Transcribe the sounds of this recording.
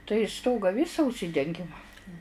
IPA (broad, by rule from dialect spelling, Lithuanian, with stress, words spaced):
tɐɪ ˈstoːɡɐ ˈʋʲɪsɐ ʊʃʲˈsʲɪdʲɛŋʲɡʲɪm